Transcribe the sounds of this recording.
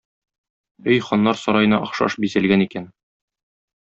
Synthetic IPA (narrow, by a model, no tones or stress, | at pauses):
ɵjχɒnːɑɾsɒɾɑjɤ̆nɑʔɒχʃɑ̰ʃbizælɡænikæn